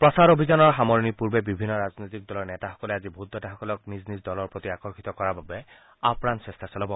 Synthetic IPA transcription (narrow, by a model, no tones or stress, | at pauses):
pɹɔsaɾobʱizanɔɹxamɔɹnipuɹbɛbibʱinːɔɹaznojt̪ik̚dɔlɔɹnɛtaxɔ̥kɔlɛazibʱud̪ʱːɔtaxɔkɔlɔk̚niznisdɔlɔɹpɹot̪iakɔɹxit̪ɔkɔɹababɛ | a̰pnansɹɛstʰasɔlɔbɔ